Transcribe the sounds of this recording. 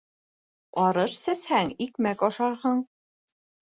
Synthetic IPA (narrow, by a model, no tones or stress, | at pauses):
ɒɾɤʃsæshæŋikmækɒʃɑɾhɤɴ